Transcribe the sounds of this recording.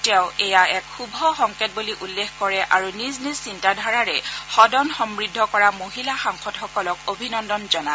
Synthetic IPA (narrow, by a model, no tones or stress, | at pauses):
tɛʊ̃ɛjaɛkxubʱɔxɔŋket̚buliʔulːexkɔɹɛʔaɹuniznizsintadʱaɹaɹɛxɔdɔnxɔmɹidʱːɔkɔɹamoɦilaxaŋxɔdxɔkɔlɔkobʱinɔndɔnzɔna